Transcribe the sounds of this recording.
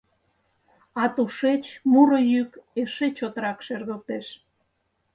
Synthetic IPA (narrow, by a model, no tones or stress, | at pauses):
ɑt̪uʃet͡ɕmuɾojykeʃet͡ɕot̪əɾɑkʃerɣəl̚t̪eʃ